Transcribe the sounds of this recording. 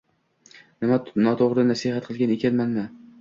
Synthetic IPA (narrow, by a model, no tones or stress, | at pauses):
nɪmanɒt̪ʰoʁɾɪd̪anasihat̪̚qʰɨlˠɡʲanekʲʰanmanmɪ